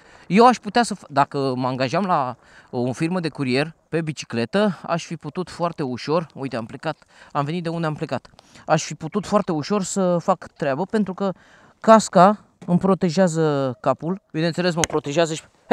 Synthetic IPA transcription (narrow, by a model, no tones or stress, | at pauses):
je̞waʃput̪easəfd̪akəməaŋɡaʒamla | ofirməd̪e̞kuɾie̞rpe̞bit͡ʃi̥kle̞t̪əa̰ʃfiput̪ut̪foart̪e̞uʃo̞rṵjt̪eample̞kat̪amve̞nit̪̚d̪e̞und̪eample̞kat̪aʃfiput̪ut̪foart̪e̞uʃo̞rsəfakt̪ɾeabəpent̪ɾukə | kaska | ɨmpɾo̞t̪e̞ʒɪazəkapulbine̞t̪sele̞s̬məpɾo̞t̪e̞ʒeazəʃ